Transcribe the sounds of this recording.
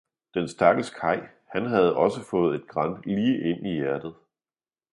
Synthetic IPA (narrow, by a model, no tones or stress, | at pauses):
d̥ensd̥æɐɡ̥əskʰɑ̈ɪ̰ | hænɦæð̞ˠɒ̽səfɔ̽ːð̩ˠe̝d̥̚ɡ̥ʁɑ̈n̰liːʔe̝n̰ijæɐd̥ð̩ˠ